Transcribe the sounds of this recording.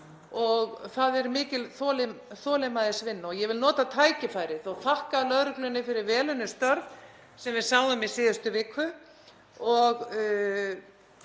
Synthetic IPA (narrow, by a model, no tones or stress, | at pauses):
ɔɣθaðɛɾmɪːcɪlθɔːlɪθɔːlɪmaðɪsvɪnːaɔɣjɛvɪlnɔːt̪at̪ʰaːjcɪfajɾɪθɔɣθahkalœðɾʏklʏnːɪfɪɾɪɾvɛːlʏnːɪst̪œɾð | sɛmvɪðsawðʏmisɪːðʏst̪ʏvɪkʰvʏ | ɔɣ